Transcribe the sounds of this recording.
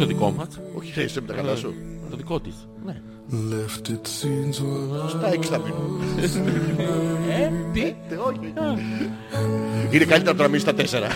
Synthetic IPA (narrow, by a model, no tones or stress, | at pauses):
t̪oðiko̞mɐsoçiɾeisepit̪ɐkɐlɐsut̪oðiko̞t̪is | ne | lɛft̪itsinzost̪ɐeksɐmin | et̪it̪eoço | inekɐlit̪eɾɐpt̪onɐminst̪ɐt̪eseɾɐ